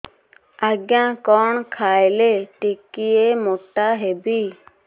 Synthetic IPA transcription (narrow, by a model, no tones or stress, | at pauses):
aːɡjãːkɔːɳkʰaːɪleʈikieːmoːʈaːɦebiː